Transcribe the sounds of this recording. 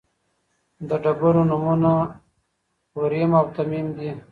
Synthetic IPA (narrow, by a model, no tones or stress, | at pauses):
d̪əɖabuɾonumuna | woɾimawt̪amimd̪i